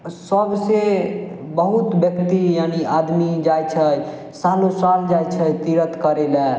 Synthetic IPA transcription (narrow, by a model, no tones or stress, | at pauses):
səbse | bəɦut̪bjəkt̪ijaniad̪mid͡ʒajt͡ʃʰəj | salõsald͡ʒajt͡ʃʰəjt̪iɾət̪kəɾelɛ